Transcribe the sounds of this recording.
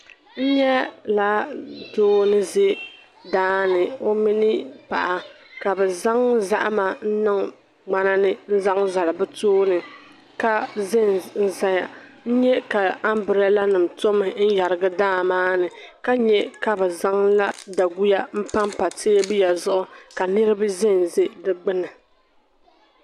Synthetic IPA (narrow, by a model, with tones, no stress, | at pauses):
n̩˦ɲɛ˦la˦doː˦nɨ˦ze˦ | daː˦nɨ˨o˦mi˦nɨ˦pa̰˨ʔa˨ | ka˨bɛ˨za˦ŋza̰˦ʔa˦ma˨n̩˦nɨ˦ŋ | ŋ͡ma˨na˦nɨ˦n̩˦za˦ŋza˨la˨bɨ˦toː˦nɨ˨ | ka˦zɪ˦nn̩˨za˦ja˨n̩˦ɲɛ˦ka˨a˦mbɨ˨ɾɛ˦la˦nɨ˨mto˦mɨ˨n̩˦ja˨ɾɨ˨ɡɨ˦daː˦maː˦nɨ˨ka˦ɲɛ˦ka˨bɛ˨za˦ŋla˦da˨ɡu˦ja˦m̩˦pa˦mpa˨tʰe˦bi˦ja˨zʊ˦ʔʊ˦ka˨nɨ˦ɾɨ˦bɨ˦zɪ˦n˨ze˦dɨ˦ɡ͡bɨ˦nɨ˨